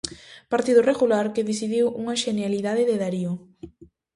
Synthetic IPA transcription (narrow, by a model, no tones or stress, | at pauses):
paɾt̪iðʊreɣulaɾkeðis̬iðiwuŋɐʃenjaliðaðeðeðaɾio